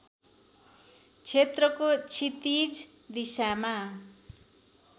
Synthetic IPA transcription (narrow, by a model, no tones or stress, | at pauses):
t͡sʰet̪rʌkot͡sʰit̪id͡zd̪isama